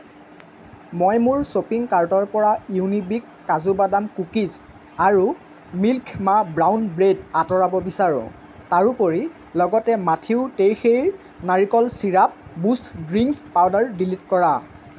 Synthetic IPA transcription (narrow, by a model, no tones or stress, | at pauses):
mɔjmuɹsopiŋkaɹtɔɹpɔɹaiunibikːazubadamkukis | aɹu | milkʰmabɹawnbɹedatɔɹabɔbisaɹʊ̰̃ | taɹupoɹi | lɔɡɔtɛmatʰiʊtejxejɹ | naɹikɔlsiɹap̚bustʰɡɹiŋkpawdaɹdilitkɔɹa